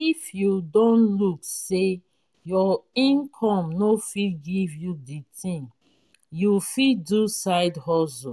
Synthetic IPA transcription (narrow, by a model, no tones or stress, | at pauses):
ifjudõnlukse | jɔĩnkʰɔ̃mnofiɡivjuditʰĩŋ | jufidusaɪdhɔso